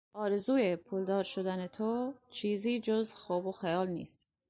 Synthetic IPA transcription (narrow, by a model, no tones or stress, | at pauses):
ɒːɾe̞zuːjepʰuːld̪ɒːɾʃo̞d̪ænet̪ʰot͡ʃʰiːziːd͡ʒozxoːboxejɒːlnḭːst̪